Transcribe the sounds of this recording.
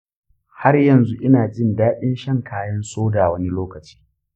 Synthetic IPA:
ha˦rjɐ˨nzu˦ʔɪ˦naː˨d͡ʒɪ˦ndaː˦ɗɪ˦nʃɐ˦˨ŋkʰaː˦jɐ˦nsoː˦daː˨wɐ˦ni˦loː˦kɐ˨t͡ʃi̥ː˦

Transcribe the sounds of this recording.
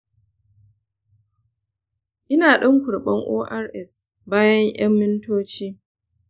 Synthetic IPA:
ʔɪ˦naː˨ɗɐ˦ŋkʷʊ˨ɽɓɐ˦ŋʔoː˦ʔa˦rʔɛ˨s | baː˦jɐ˦ɲj̰ɐ˦mːɪ˦ntoː˦t͡ʃiː˦

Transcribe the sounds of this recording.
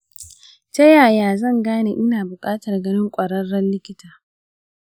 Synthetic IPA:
t͡ʃɐ˦jaː˨jaː˨zɐ˦˨ŋɡaː˦ne˨ʔɪ˦naː˨bʊ˨kʼaː˦tɐ˨rɡɐ˦nɪ˦ŋkʷʼɐ˨ɽɐ˦rːɐ˦nlɪ˦kʲɪ˦taː˨

